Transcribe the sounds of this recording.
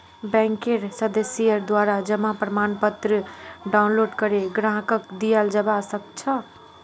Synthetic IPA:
bɛ̃ŋkeɾsəd̪əsijəɾd̪waɾad͡ʒəmapɾəmanpət̪ɾəɖawnloɖkəɾeɡɾãɦkəkd̪ijəld͡ʒəbasək̚t͡ʃʰə

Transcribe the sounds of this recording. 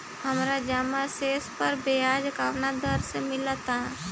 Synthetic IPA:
hɐmɾad͡ʒaːmaseːspəɾbejaːd͡ʒkaːʋnad̪əɾsemɪlat̪aɦɛ̃ː

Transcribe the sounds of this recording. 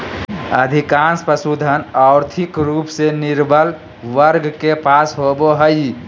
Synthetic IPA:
ə̰d̪ʱikanspɾəsud̪ʱənaʊɾt̪ʰikɾuːpseniɾbʱəl | ʋəɾɡkepasɦoboɦəj

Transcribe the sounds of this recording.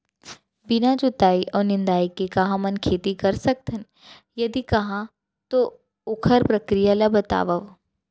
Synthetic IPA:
bɪnad͡ʒot̪aːiʔɔːɾnɪ̃nd̪aːikekɐɦãmɐnkʰeːt̪ikɐɾsɐk̚t̪ʰən | jɐd̪ikɐɦã | t̪o | ʊkʰəɾpɾɐkɾijalabɐt̪a̰ːʋəʋ

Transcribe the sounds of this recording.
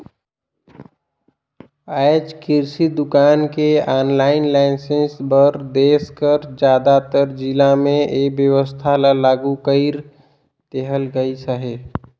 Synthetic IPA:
aːjd͡ʒkɪɾsid̪ʊkaːnkeaːnlaːɪnlaɪnsẽnsbəɾd̪eːskəɾd͡ʒjaːd̪at̪əɾd͡ʒɪlamẽeːkbjəʋəst̪ʰalalaːɡukəiɾ | t̪eɦəlɡəisaɦeː

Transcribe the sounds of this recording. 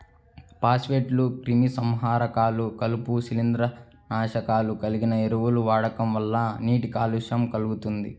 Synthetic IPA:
paːsʋeːʈlukɾimisɐmɦaːɾɐkaːlukɐlupusilind̪ɾɐ | naːʃɐkaːlukɐliɡinɐeɾuwuluʋaːɽɐkɐmʋɐlːɐniːʈikaːluʃɐmkɐluɡut̪und̪ḭ

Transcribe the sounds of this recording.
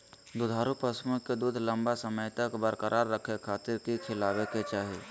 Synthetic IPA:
d̪ʊd̪ʱaːɾupɐsmʊ̃ked̪uːd̪ʱlə̃mbasəməjt̪əkbəɾkəɾʔaːɾːəkʰekʰaːt̪ɪɾkikʰɪlaːʋeket͡ʃaːɦe

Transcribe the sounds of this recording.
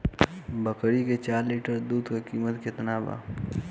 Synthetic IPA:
bəkɾiket͡ʃaːɾliːʈəɾd̪uːd̪kekiːmət̪ket̪ənaːba̰ː

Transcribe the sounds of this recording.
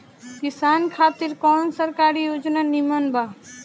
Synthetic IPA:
kɪsaːnkʰaːt̪ɪɾkɔːnsəɾkaːɾijoːd͡ʒnanimənba

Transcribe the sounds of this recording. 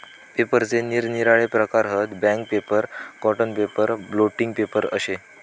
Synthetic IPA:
pepəɾt͡seniːɾniɾaɭepɾəkaɾɦət̪bɛ̃ŋk̚pepəɾkɔʈənpepəɾbloʈiŋɡ̚pepəɾə̰ɕe

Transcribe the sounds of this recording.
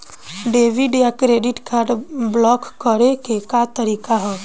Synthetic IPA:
ɖeːʋiɖijakɾeːɖɪʈkʰaɾɖblɔːkːəɾekekat̪əɾiːkaɦɛː

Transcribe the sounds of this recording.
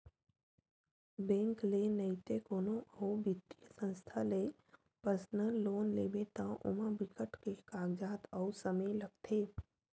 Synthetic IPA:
bɛ̃ːŋklenəjt̪ekoːnõoːbɪt̪iəsə̃nst̪ʰale | pəɾsnəlːoːnleːbet̪ãʔʊ̰mabɪkəʈkekaːɡd͡ʒaːt̪ɔːsəməjləɡ̚t̪ʰeː

